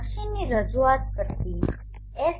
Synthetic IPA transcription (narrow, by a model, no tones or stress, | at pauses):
kʃinːiɾəd͡ʒuat̪kəɾt̪i | e